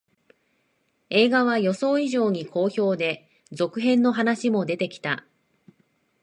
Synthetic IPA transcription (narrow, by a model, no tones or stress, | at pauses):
e̞ːɡaβ̞ajo̞so̞ːiʑo̞ːɲ̟ikʰo̞ːço̞ːd̪e̞ | zo̞kɯ̟ɦẽ̞nːo̞ɦanaɕimo̞d̪e̞t̪e̞kʲi̥t̪a